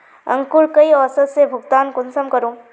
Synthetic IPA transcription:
ə̰̃ŋkuɭkɐiɔsət̪sebʱʊɡt̪aːnkʊnsəmkəɾũː

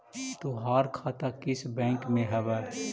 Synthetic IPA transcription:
t̪oɦaːɾkʰaːt̪akɪsbɛ̃ːŋkmẽɦɛʋɛː

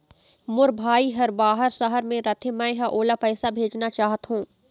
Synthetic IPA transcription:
mʊɾbʱaːiɦɐɾbaːɦəɾsɐɦəɾmẽɾɐt̪ʰemɛ̃ɦɐʔoːlapɛːsabʱeːd͡ʒnat͡ʃaːɦət̪ɦũː

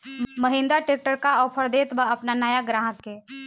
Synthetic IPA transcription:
məɦɪ̃nd̪aʈeːk̚ʈəɾkaɔːpʰəɾd̪eːt̪bəɐpnanajaɡɾaːɦəkːe

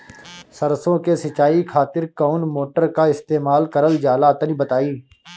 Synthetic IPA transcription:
səɾsõːkesɪt͡ʃaːiːkʰaːt̪ɪɾkoːnmoːʈəɾkaːɪst̪eːmaːlkəɾəld͡ʒaːlaːt̪əniːbət̪aːiː

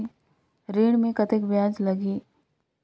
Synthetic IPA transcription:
ɾeːɽ̃mẽkɐt̪ɪkbjãːd͡ʒlɐɡiː

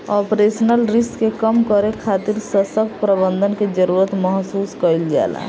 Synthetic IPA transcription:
ɔpɾesənəlɾiskekəmkəɾekʰat̪iɾsəsək̚pɾəbənd̪ʱənked͡ʒəɾuɾət̪məɦsuːskəild͡ʒa̰la̰

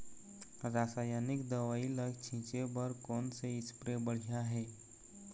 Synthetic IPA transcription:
ɾaːsaːjaːnɪkd̪ɐʋaːiləɡt͡ʃʰĩːt͡ʃebəɾkɔːnseɪspɾebəɽ̤ijaɦɛː

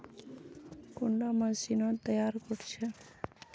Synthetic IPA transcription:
kʊɳɖamãsinot̪əjaɾkoʈt͡ʃʰe

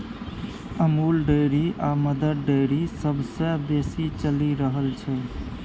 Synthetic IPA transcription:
əmulɖəjɾiaməd̪əɾɖəɪɾisəbsə̃besit͡ʃəliɾəɦəlt͡ʃʰɛ

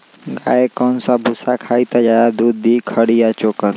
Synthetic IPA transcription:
ɡa̰ːekɔːnsabʱʊsakʰaːit̪ad͡ʒaːjad̪uːd̪ːiːkʰəɽijat͡ʃoːkəɾ

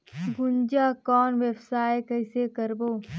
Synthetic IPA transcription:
ɡʊnd͡ʒaːkɔːnʋebsaːekɛɪsekɐɾboː

